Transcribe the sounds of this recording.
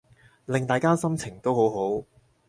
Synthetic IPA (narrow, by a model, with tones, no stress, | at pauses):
lɪ˨ŋt̪aː˨jkaː˥sɐ˥mt͡sʰɪ˨˩ŋt̪o˥who˨˥wɦo˨˥w